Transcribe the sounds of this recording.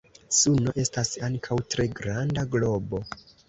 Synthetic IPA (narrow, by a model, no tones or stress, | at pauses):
suno̞ʔe̞stasaŋkʰawtɾe̞ɡɾandaɡlo̞bo̞